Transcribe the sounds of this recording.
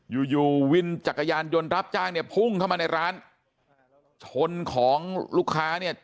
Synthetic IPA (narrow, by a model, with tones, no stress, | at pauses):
juː˨˩juː˨˩wi˧nt͡ɕa˨˩kːa˧jaː˧njo˧nɾa˦˥p̚t͡ɕaː˥˩ŋni˥˩ɐpʰu˥˩ŋkʰa˥˩wmaː˧na˧jɾaː˦˥n | t͡ɕʰo˧nkʰɔː˩˦ŋluː˥˩kʰːaː˦˥ni˥˩ɐ